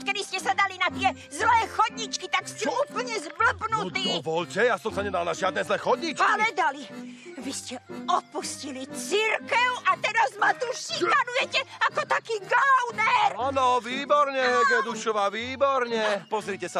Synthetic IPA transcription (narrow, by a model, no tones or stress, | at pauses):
kɛd̪iscɛsad̪alinat̪ɪɛ | zlɛːxɔd̪ɲit͡ʃkit̪akstɛuːpl̩ɲɛzbl̩pnut̪iːvɔlcɛjasɔmsaɲɛd̪alnaʒɪad̪nɛːzlɛːxɔd̪ɲit͡ʃailɛd̪aliʋiscɛɔpuscilit͡siɾkɛʊʔat̪ɛɾazmat̪uʃikanujɛcɛakɔkt̪akiːɡaʊnɛɾanɔʋiːbɔɾɲɛjɛd̪nɔd̪uʃɔʋaʋiːbɔɾɲɛpɔzɾiːcɛsa